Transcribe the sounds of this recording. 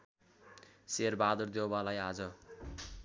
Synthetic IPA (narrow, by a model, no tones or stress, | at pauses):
serbad̪urd̪jewbalajad͡zʌ